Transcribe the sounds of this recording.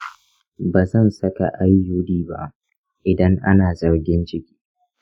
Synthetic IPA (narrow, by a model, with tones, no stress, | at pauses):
baː˨zɐ˦˨nsɐ˦ka̰˨ʔa˦jːʊ˦diː˦ba̰˦ | ʔɪ˨dɐ˦ŋʔa̰˦naː˨zɐ˨rɡʲɪ˦nt͡ʃɪ˦kʲi̥ː˦